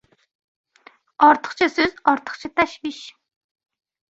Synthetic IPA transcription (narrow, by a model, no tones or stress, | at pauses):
ɑɾt̪ʰə̥χt͡ʃʰɑsøz̥ɑɾt̪ʰə̥χt͡ʃʰɑt̪ʰæʃviʃ